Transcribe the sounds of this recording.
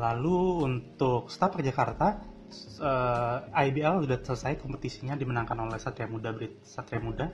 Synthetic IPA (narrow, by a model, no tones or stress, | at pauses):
laluːnt̪ʊk̚st̪apak̚d͡ʒakart̪a | əajbiɛludasələsajkɔmpət̪isiɲadimənaŋkanolɛhsat̪ɾiamudabɾɪt̪̚sat̪ɾiamuda